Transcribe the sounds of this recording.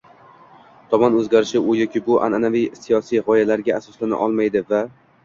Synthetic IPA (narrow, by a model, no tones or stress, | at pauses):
t̪ʰɒmɒnɵzɡʲaɾɪʃɪʊjɒkʲʰɪbʊʔa̰nanavijsijɒsijʁɒjalaɾɡʲaasɒslana̰ʔɒ̰lˠmajd̪ɪva